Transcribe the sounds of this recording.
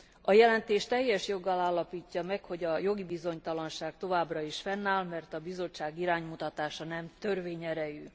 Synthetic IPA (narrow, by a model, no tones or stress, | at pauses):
ɒjɛlɛnt̪eːʃt̪ɛjːɛʃjo̞ɡːɒlaːlːɒpiːcːɒmɛkho̞ɟɒjo̞ɡibizo̞ɲt̪ɒlɒnʃaːɡ̚t̪o̞vaːbrɒiʃfɛnːaːlmɛrt̪ɒbizo̞t͡ʃːaːɡiɾaːɲmut̪ɒt̪aːʃɒnɛmt̪ø̞rveːɲɛɾɛjyː